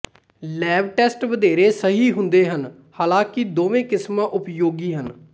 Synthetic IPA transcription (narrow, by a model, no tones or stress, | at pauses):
lɛːʋʈɛːsʈʋəd̪eːɾeːsəɦiːɦʊnd̪eːɦən | haːlãːkɪd̪oːʋẽːkɪsmãːʔʊpjoːɡiːɦən